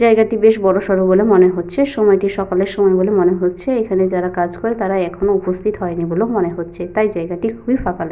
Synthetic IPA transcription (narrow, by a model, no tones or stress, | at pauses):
d͡ʑaeɡaʈibeʃbɔɽoʃɔɾobolemoneɦotːɕʰeʃɔmɔjʈiʃɔkaleɾʃɔmɔebolemoneɦotːɕʰeekʰaned͡ʑaɾakad͡ʑkoɾet̪aɾaɛkʰonoupost̪ʰit̪ɦɔenibolemoneɦotːɕʰet̪ajd͡ʑaeɡaʈikʰubʱifakale